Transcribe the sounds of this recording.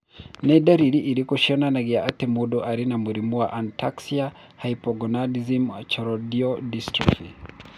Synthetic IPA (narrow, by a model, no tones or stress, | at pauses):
nɛdaɾiɾiʔiɾikɔʃɔnanaɡijaʔatɛmudɔʔaɾinamuɾimuwa̰ʔantʰaksia | haipɔɡɔnadizimt͡ʃɔɾɔdiɔdistɾifi